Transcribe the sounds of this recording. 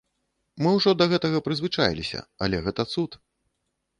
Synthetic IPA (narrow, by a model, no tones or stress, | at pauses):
mɨwʐɔd̪ɐɣɛt̪ɐɣɐpɾɨzvɨt͡ʂajlʲisʲɐ̰ɐ̰lʲɛɣɛt̪ɐt̪sut̪